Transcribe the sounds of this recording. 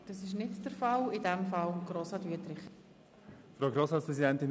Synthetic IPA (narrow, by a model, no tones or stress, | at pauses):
d̥ɑsɪʃnɪtd̥əɾfɑlɪdɛmfɑlɡ̥ɾoːsɑdyətɾɪχ | fɾaʊɡɾoːsɑtspɾɛzidɛnt̪ɪn